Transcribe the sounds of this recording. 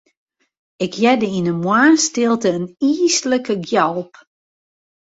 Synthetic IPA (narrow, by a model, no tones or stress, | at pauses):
ɪkjɛdəinəmwaːnstɪlˠtəːniːsləkəɡjɔlˠp